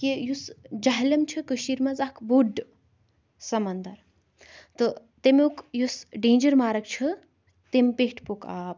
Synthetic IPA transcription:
kijusd͡ʒaɦlɐmt͡ʃʰɨkəʃiɾmɐzakʰbuɖ | sɐmɐnd̪ɐɾ | t̪ɨ | t̪emukjusɖeːnd͡ʒɐɾmaːɾɐkt͡ʃʰɨ | t̪empeɦʈʰpokaːp

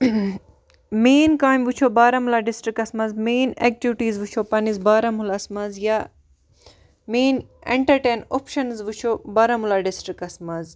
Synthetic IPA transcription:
meːnkaːjmʋut͡ʃʰoːbaːɾɐmulaːɖisʈɾikɐsmɐzmeːnek̚ʈiʋʈiːzʋut͡ʃʰopɐnizbaːɾɐmulɐsmɐzja | meːnḛɳʈɐɾʈeːnopʃɐnzʋut͡ʃʰobaːɾɐmulaɖisʈɾikɐsmɐz

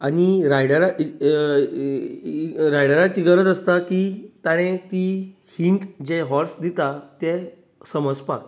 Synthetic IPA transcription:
añiɾajɽəɾa | ɾajɽəɾat͡siɡəɾət̪əst̪akiːt̪aɽ̃et̪i | hiɳʈd͡ʑɛɦɔɾsd̪it̪at̪ɛ | səməd͡zpak

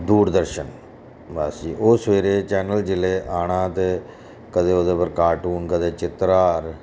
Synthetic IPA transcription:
d̪uːɾd̪əɾʃən | baːsiːʔoːsʋeːɾeːt͡ʃɛːnəld͡ʒɪleːʔaːɽ̃ãːt̪eː | kəd̪eːoːd̪eːpəɾkaːʈuːnkəd̪eːt͡ʃɪt̪ɾaːɾ

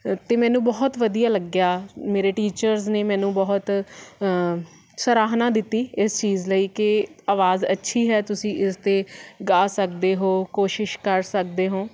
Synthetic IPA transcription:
t̪eːmɛ̃ːnũːbɔːt̪ʋəd̪ijaːləɡjaːmeːɾeːʈiːt͡ʃəɾzneːmɛːnũːbɔːt̪ | səɾaːɦnãːd̪ɪt̪ːiːɪst͡ʃiːzləiːkɪaːʋaːzətːʃʰiːɦɛːt̪ʊsĩːʔɪst̪eːɡaːsək̚d̪eːɦoːkoːʃɪʃkəɾsək̚d̪eːɦõː

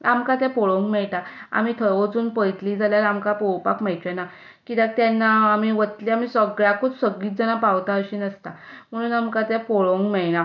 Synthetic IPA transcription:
amkat̪̬ɛpɔɭoŋkmɛɭt̪aa̰mit̪ʰəɾʋət͡suːnpəjt̪liːd͡zʱaljaɾamkapɔwpa̰kməjt͡ɕena | kit̪ak̚t̪janːaːmiʋət̪liamisɔɡɭakʰut͡ssəɡiːt̪̚d͡zənapawt̪aəɕiːnəst̪a | m̤əɽ̃uːnamkat̪ɛ̃pɔɭoŋkmɛɭna

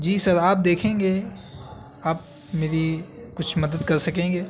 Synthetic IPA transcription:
d͡ʒiːsɐɾaːp̚d̪eːkʰẽːŋɡeː | aːp̚ | meːɾikʊt͡ʃʰmɐd̪əd̪kɐɾsɐkẽːŋɡeː

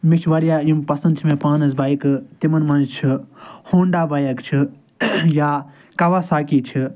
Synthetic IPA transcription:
miʃʰʋɐɾjaːjumpɐsɐnd̪t͡ʃʰimẽːpaːnɐzbaːikt̪imɐnmɐnd͡ʒt͡ʃʰihoːɳɖaːbɐjɐkt͡ʃʰi | jaː | kɐʋaːsaːkiːt͡ʃʰi

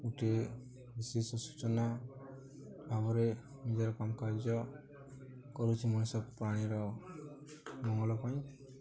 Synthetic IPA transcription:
uʈʰe | bisisɔsu̥t͡ʃɔna | bʱabɔɾe | nid͡ʒaɾɔkamɔkaɾd͡ʒɔ | kɔɾut͡ʃʰimɔnesɔb̚pɾaɽ̃iɾɔ | mɔŋɔlɔpaĩ

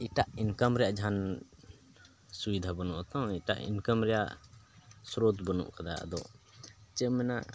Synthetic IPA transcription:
iʈaʔinkəmɾɛjaʔd͡ʒʱan | subid̪ʱabɔnuʔt̪ɔ̃iʈa̰ʔḭnkəmɾɛja̰ʔ | sɾod̪bənṵʔkad̪aə̰d̪ɔʔ | t͡ʃəmɛna̰

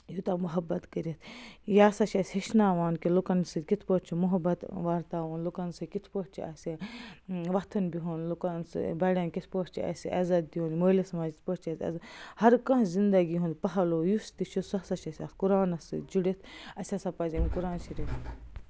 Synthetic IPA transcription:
jut̪ɐmuɦɐbːɐt̪kɐɾit̪ʰjaːsɐʃɐsʲhɐʃnaːʋaːnkilukɐnsɨkit̪ʰpoʈt͡ʃʰimuɦɐbɐt̪ʋaːɾt̪aːʋoːnlukɐnsɨkit̪ʰpoʈ̚t͡ʃʰiɐ̰sʲi | ʋɐt̪ʰɐnbiɦoːnlukɐnsbɐɽʲɐnkit̪ʰpoːʈt͡ʃʰḭɐ̰sʲiʔɐzɐt̪̚b̪iɦõːnmoːlisɐmaːd͡ʒit̪ʰpoʈt͡ʃʰɐsʲɐ̰zhɐɾkɐ̃ɦzind̪ɐɡiɦũnd̪pɐɦɐloːjust̪iʃʰusɐsɐʃɐsʲaːt̪kuɾaːnɐsɨd͡ʒuɽit̪ʰɐsʲɐsɐpɐzɐmkuɾaːnʃiɾiun

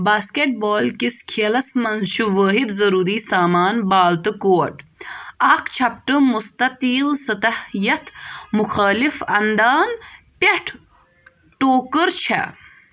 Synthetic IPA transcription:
baːskeʈ̚boːlkiskʰeːlɐsmɐnzʃuʋɐːɦid̪zɐɾuːɾiːsaːmaːnbaːlt̪ɨkoːʈɐkt͡ʃʰɐpʈɨmust̪ɐt̪iːlsɐt̪ɐhijɐt̪muxaːlifɐ̰nd̪aːn | peʈʰ | ʈoːkɨɾt͡ʃʰɐ̰

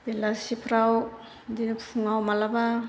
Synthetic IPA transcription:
belasipʰɾaw | d̪ipuŋawmalaba

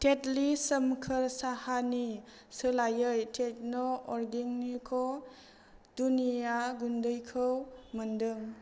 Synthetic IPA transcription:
tʰetlisəmkʰəɾsahani | sɯlajɯjtʰet̚nɔɔɾɡiŋnikʰɔ | dunijaɡundɯjkʰəwməndɯŋ

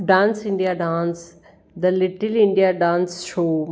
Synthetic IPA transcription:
ɖãːnsɪ̃ɳɖijaɖãːns | d̪ɐlɪʈɪlɪ̃ɳɖijaɖãːnsʃoː

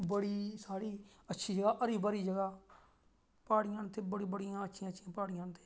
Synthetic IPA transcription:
bəɽiːsaːɽiː | ətːʃʰiːd͡ʒəɡaːʔəɾiːbəɾiːd͡ʒəɡaː | paːɽɪjãːnt̪eːbəɽiːbəɽijãːətːʃʰĩãːʃʰiãːpaːɽɪijãːnt̪ʰe̥ː

